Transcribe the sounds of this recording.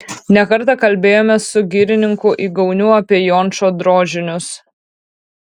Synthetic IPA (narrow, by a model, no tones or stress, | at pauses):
nʲɛkɐɾt̪ɐkɐlʲbʲeːjoːmʲɛsʊɡʲiɾʲɪnʲɪŋkʊʔiːɡɐʊnʲuɐpʲiɛjɔːnˑt͡ʃoːd̪ɾoːʒʲɪnʲʊs